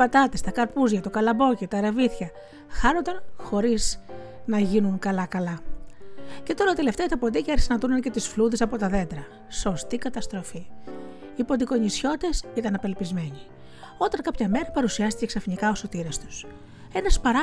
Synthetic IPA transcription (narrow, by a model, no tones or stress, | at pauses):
pɐt̪ɐt̪est̪ɐkɐɾpuzʝɐt̪o̞kɐlɐbo̞cit̪ɐɾeviθçɐ | xɐnond̪ɐnxo̞ɾiz | nɐʝinuŋkɐlɐkɐlɐ | ce̞t̪o̞ɾɐit̪e̞le̞ft̪eɐt̪ɐpo̞nd̪icɐeɾsinɐt̪unɐnce̞t̪isfluðesɐpo̞t̪ɐðe̞nd̪ɾɐ | so̞st̪ikɐt̪ɐst̪ɾo̞fi | ipo̞d̪iko̞ɲisço̞t̪e̞sit̪ɐnɐpe̞lpizme̞ɲi | o̞t̪ɐnkɐpçɐme̞ɾɐpɐɾusiɐst̪iceksɐfinikɐo̞so̞t̪iɾest̪u̥s | e̞nɐspɐɾɐ